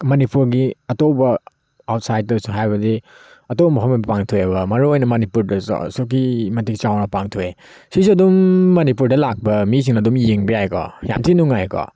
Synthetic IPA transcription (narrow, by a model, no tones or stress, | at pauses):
mɐnipuɾɡiɐtobɐ | awt̚sajd̚ɐsuɦajbɐdi | ɐtobɐmɐɦʰɔmbɐpaŋtʰujebɐmɐɾuojnɐmɐnipuɾdɐssuk̬imɐntik̚t͡ʃawnɐpaŋtʰue | sisuɐdumːɐnipuɾdɐlak̚bɐmis̬ʰiŋnɐdumjiŋbiajkʰɔ̰ja̰mtʰinuŋajkʰɔ̰